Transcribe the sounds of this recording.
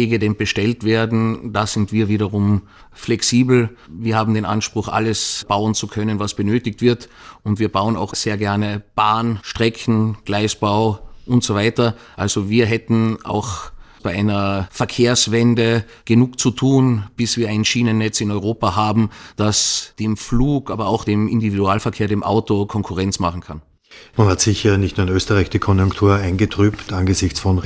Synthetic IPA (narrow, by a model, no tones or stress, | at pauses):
eːɡədenb̥əʃtɛltv̥eːɐdn̩d̥az̥ɪntv̥iːɐviːɾɐʁʊm | flɛksiːbl̩viːɐhaːbm̩deːnʔa̰nʃpʁ̥ʊxʔa̰ləsb̥aʊənt͡sukʰœnənvasb̥ənøːtɪk̚tv̥ɪɐtʊntviːɐbaʊəna̰ʊxz̥eːɐɡɛɐnəb̥aːnʃtʁ̥ɛkn̩ɡ̥laɪsb̥aʊʔʊntz̥ovaɪtɐʔalz̥oviːɐɦɛtn̩ʔa̰ʊxb̥aɪʔaɪnɐfɛɐkʰeːɐsvɛndə | ɡ̥ənuːkt͡sutʰuːnb̥ɪsv̥iːɐaɪnʃiːnənːɛt͡sɪnɔʏʁoːpaɦaːbm̩d̥asd̥eːmfluːkʔaːbɐaʊxd̥eːmɪndividuaːlfɛɐkʰeːɐɾeːmʔa̰ʊtokʰɔŋkʰʊʁɛnt͡smaχn̩kʰan | manhatsɪçɐnɪçtnuːɐnøːstəʁaɪçdikʰɔnjʊŋktʰuːɐaɪnɡətʁ̥yːptʰanɡəzɪçt͡sfɔn